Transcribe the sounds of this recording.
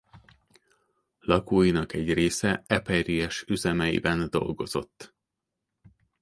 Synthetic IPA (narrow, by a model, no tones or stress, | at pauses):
lɒkoːjinɒkɛɟreːsɛɛpɛriɛʃyzɛmɛjḭbɛnd̪o̞̰lɡo̞zo̞̰t̪ː